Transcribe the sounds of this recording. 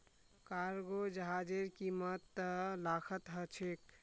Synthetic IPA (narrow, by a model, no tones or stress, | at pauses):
kaɾɡod͡ʒəɦad͡ʒeɾkimət̪ːəlakʰət̪ɦət͡ʃʰek̚